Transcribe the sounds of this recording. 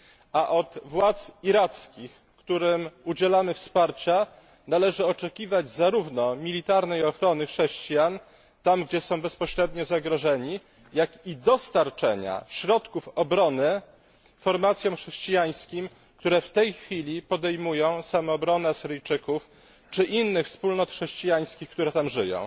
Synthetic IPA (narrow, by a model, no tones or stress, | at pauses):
aʔɔt̪vwat̪siɾat̪skʲix | kt̪uɾɘmud͡ʑɛlamɘfspaɾt͡ɕa | nalɛʐɘɔt͡ʂɛkʲivad͡ʑzaɾuvnɔmʲilʲit̪aɾnɛjɔxɾɔnɘxʂɛɕt͡ɕijan | t̪amɡd͡ʑɛsɔ̃w̃bɛspɔɕɾɛd̪ɲɔzaɡɾɔʐɛɲi | jakid̪ɔst̪aɾt͡ʂɛɲa̰ɕɾɔt̪kufɔbɾɔnɘ | fɔɾmat̪sʲjɔ̃mxʂɛɕt͡ɕijaj̃skʲim | kt̪uɾɛft̪ɛjxfʲilʲipɔd̪ɛjmujɔ̃w̃samɔːbɾɔnɛasɘɾɘjt͡ʂɘkuf | t͡ʂɘʔinːɘxfspulnɔt̪xʂɛɕt͡ɕijaj̃skʲikt̪uɾɛt̪amʐɘjɔ̰̃w̃